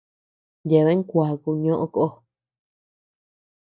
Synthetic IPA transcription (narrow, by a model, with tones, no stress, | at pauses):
je˨βe˦ŋ˦kʷa˨ku˧ɲõ˦ʔõ˦ko˧ʔo˦